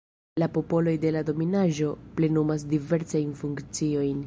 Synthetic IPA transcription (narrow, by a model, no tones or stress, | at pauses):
lapo̞po̞lo̞jde̞lado̞minaʒo̞ple̞numas̬dive̞ɾt͡sajnfuŋkt͡sio̞jn